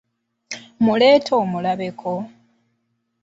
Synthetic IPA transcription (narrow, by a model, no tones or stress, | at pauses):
mule̞ːtʰoːmulaβe̞kʰo̞